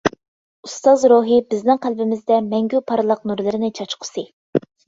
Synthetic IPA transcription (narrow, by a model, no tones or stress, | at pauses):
ust̪ɑzɾoɦɨbɪznɪŋqʰælbɪmɪzd̪ɛmɛŋɡʲypʰɑɾlˠəq̚nuɾlˠɨɾɪnɪt͡ʃʰɑt͡ʃqʰə̥sɨ